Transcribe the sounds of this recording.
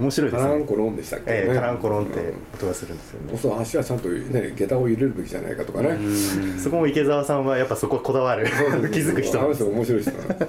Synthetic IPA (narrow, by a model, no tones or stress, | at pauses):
o̞mo̞ɕiɾo̞id̪aɾãŋkoɾõnd̪eɕi̥t̪a̰kːeːkaɾãŋko̞ɾõ̞nt̪ːḛko̞t̪o̞ɡasɨɾɯ̟̃nd̪esɨjo̰neosoaɕiat͡ɕãnt̪oneɡe̞t̪aoiɾeɾɯ̟be̞kʲiʑa̰na̰ikat̪okaneso̞ko̞moike̞zaβasãɰ̃βajapːaso̞koɡako̞d̪aβaɾɯ̟okʲizɨkɯçi̥t̪õɕommo̞ɕiɾo̞iɕt̪o